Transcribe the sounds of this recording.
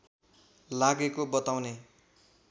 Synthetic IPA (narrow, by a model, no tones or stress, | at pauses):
laɡekobʌt̪awne